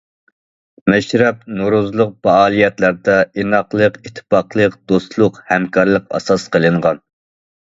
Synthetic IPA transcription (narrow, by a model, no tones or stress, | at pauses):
mɛʃɾɛp̚noɾuzlˠʊq̚pɛɑːlˠijɛt̪læɾd̪ɛenɑqlˠəqit̪ʰːɨ̥pɑqlˠəqd̪̥ost̪lˠʊqhɛmkʰɑɾlˠəqɑ̰sɑsqʰəlˠɨɴʁɑn